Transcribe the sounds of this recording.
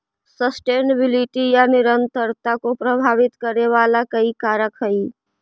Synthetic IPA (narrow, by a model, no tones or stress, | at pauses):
səsʈeːnəbɪliʈijanɪɾənt̪əɾt̪akopɾəbʱaːʋɪt̪kəɾeʋaːlakəikaɾəkɦəi